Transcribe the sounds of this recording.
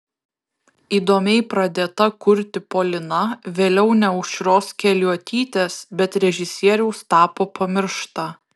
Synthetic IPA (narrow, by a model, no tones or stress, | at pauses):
iːd̪oːmʲɛɪpɾɐd̪ʲeːt̪ɐkʊɾʲt̪ʲɪpoːlʲɪnɐʋʲeːlʲɛʊnʲɛʊʃʃʲɾoːskʲɛlʲuɔt̪ʲiːt̪ʲeːsbʲɛt̪ɾʲɛʒʲɪsʲiɛɾʲɛʊst̪ɑːpoːpʰɐmʲɪɾʃt̪ɑ